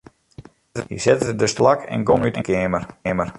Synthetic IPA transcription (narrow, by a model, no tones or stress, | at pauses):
hḭsɪtədəstlakɛ̰nɡomytəkɪmərmər